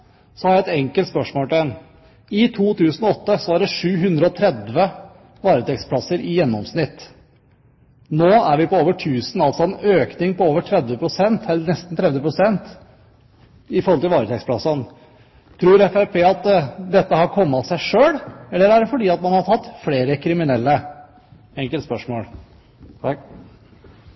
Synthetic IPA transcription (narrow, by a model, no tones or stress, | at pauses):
sɔhɑɾjæɪɛt̪ɛŋkəlt̪spœʂmoːlʈ̪ɛn | ɪt̪ʰuːt̪ʰʉːsnɔɔt̪ːəsɔæɾɖɛʂʉːɦʉnd̪ɾəɔt̪ʰɾɛd̪ʋə | ʋɑːɾət̪ʰɛkspʰlɑsːəɾʔɪjɛnːɔmsnɪt̪ː | noːæɾʋɪpɔoːʋəʈʰʉːsn̩ɑlsɔɛnøːknɪŋpɔoːʋəʈʰɾɛd̪ʋəpʰɾʊsɛnt̪ʰɛlːəɳɛst̪n̩t̪ʰɾɛd̪ʋəpʰɾʊsɛnt̪ | ɪfɔɾhɔlt̪ɪlʋɑːɾət̪ʰɛkspʰlɑsɑn | t̪ʰɾuːɾɛfæɾpʰeːɑt̪d̪ɛt̪ːəhɑɾkʰɔmːɑt̪sæɪʂøːɽɛlːəɾæɖɛfɔɖiːɑt̪mɑnhɑʈʰɑt̪ːfleːɾəkʰɾɪmɪnɛlːə | ɛŋkəlt̪spœʂmoːl